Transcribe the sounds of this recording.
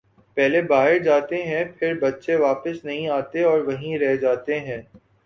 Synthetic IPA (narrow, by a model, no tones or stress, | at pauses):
pɛɦlebaːɦɪɾd͡ʒaːt̪eɦɛ̃pʰɪɾbɐtːʃeʋaːpəsnɐɦĩaːt̪eɔːɾʋɐɦĩɾɛɦd͡ʒaːt̪eɦɛ̃ː